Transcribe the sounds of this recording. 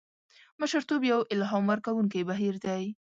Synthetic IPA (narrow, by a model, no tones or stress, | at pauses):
məʃəɾt̪objawʔɪlɦɑmwəɾkawuŋkibaɦiɾd̪aj